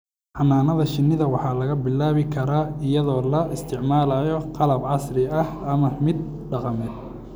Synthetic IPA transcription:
ħɑnːaːnɐðɐʃɪnːɪðɐwɑħɑːlɐɣɐbɪlːaːβɪkʰɐɾaːɪjɐðɔːlɐɪst̪ʰɪʕmaːlɐjɔqɑlɐbʕɑsrɪɐhɐmɐmɪd̪̚ | ɖɑqɑmɛːd̪

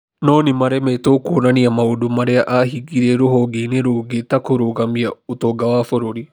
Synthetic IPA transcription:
nɔːnɪmaɾɛmɛtokonaniamaodumaɾɛaʔaɦiɡiɾeɾoɦɔɡeneɾoːɡetakoɾoɣamiaotoɡawafoɾoɾi

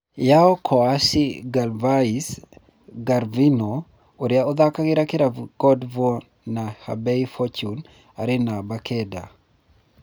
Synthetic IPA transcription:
jaɔkʰɔasiɡalvais | ɡaɾvino | oɾjaod̪akaɡɪɾakɪɾaɡɔdvɔ | naha̰bɛifɔt͡ʃun | aɾɪnabakɛda

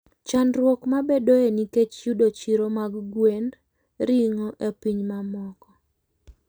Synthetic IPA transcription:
t͡ʃanɾwɔkmabedoeniket͡ʃjudot͡ʃiɾomaɡɡwen | ɾiŋɔʔepiɲmamɔkɔ

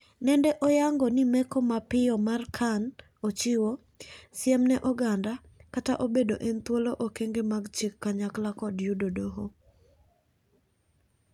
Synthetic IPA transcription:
nɛndɛʔojaŋɡɔnɪmɛkɔmapɪjɔmarkʰan | ot͡ʃɪwo | sjɛmnɛʔɔɡanda | kataʔobedoʔɛnt̪woloʔokeŋɡemaɡt͡ʃɪkːaɲaklakɔdjudodoɦo

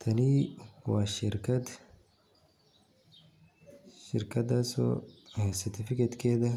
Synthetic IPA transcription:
t̪ʰɐniwaːʃɪɾkɐt̪ | ʃɪ̰ɾkɐd̪asɔ̰heːsɐt̪ɪfɪket̪kʰeːd̪ɐ

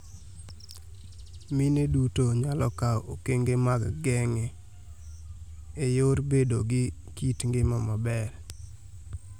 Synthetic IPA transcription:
minedutoɲalɔkao̰keŋɡemaɡɡɛŋɛ | ejoɾbedoɡɪ | kitŋɡemamabɛɾ

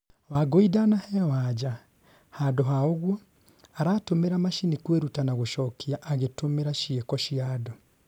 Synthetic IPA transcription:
waɡoidanahɛwad͡ʒa | hadoɦaoɣwɔ | aɾatomeɾamaʃinikweɾutanaɣoʃɔkʰiaʔaɣetomeɾaʃiekɔʃiaːdɔ

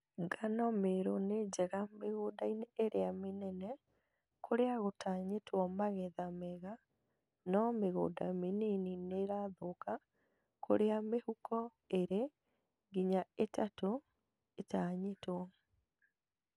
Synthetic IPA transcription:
ŋɡanɔmeɾoned͡ʑɛɣameɣoːdaineeɾeamenɛnɛ | kʰoɾeaɣotaːɲetʰwɔmaɣɛðamɛɣa | nɔmeɣo̰ːdamenenineɾaðoka | kʰo̰ɾeamehukɔ | eɾe | ɡiɲaetato | etaɲetwɔ

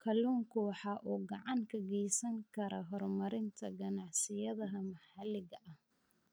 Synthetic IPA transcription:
kʰɐluːŋkʰʊwɑħɑːʔuːɡɑʕɑŋkʰɐɡɛjsɐŋkʰɐɾɔɦɔrmɐɾɪnt̪ʰɐɡɐnɑʕsɪjɐðɐɦɐmɑħɑlːɪɣɐʔɐh

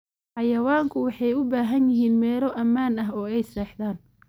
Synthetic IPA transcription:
ħɑjɐwaːŋkʰʊwɑħɑjʊbaːɦɐnjɪɦiːnmɛːlɔʔɐmːaːnɐɦɔːɛjsɛːħðaːn

